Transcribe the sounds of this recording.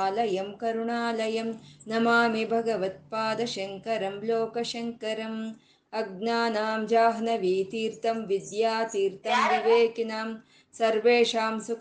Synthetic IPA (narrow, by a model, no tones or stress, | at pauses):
lɐjɐmkɐɾuɳaːlɐjɐmnɐmaːmibʱɐɡɐʋɐt̪̚paːd̪ɐʃɐŋkɐɾɐmloːkɐʃɐŋkɐɾɐm | ɐɡ̚naːnaːmd͡ʒaːɦnɐʋiːt̪iːɾt̪ɐmʋid̪jaːt̪iːɾt̪ɐmniʋeːkinaːm | sɐɾʋeːʃaːmsuk